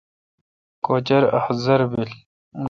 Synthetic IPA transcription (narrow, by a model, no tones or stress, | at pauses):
koːt͡ɕɐɾɐ̰hzɐɾbil | un